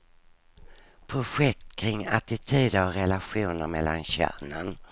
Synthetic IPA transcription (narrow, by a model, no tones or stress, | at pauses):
pʰɾʊɧɛk̚t̪kʰɾɪŋːat̪ɪt̪ʰyːd̪əɾɔɾɛlaɧuːnəɾmɛlːa̰nɕæ̰ːɳən